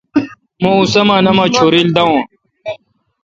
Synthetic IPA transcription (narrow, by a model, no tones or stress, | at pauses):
mõusɐmaːnɐmaːt͡ɕʰoːɾild̪ɐõ